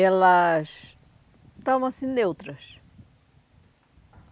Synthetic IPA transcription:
ɛlɐʃ | t̪ɔmɐ̃sĩnewt̪ɾɐʃ

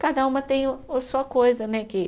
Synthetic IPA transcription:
kad̪ɐũmɐt̪ẽj̃ʊʊsuɐkojzɐnɛkɪ

